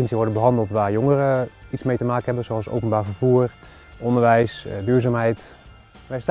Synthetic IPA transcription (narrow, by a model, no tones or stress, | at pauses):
ənsiəʋɔɹdəbəɦɑndəlˠtʋaːɹjɔŋərəitsmejtəmaːkənɦɛbənzoɑlˠso̰wpənbaːɹvəɹvuːr | ɔndəɹʋɛjsdyːɹzaːmɦɛjt | ʋɛst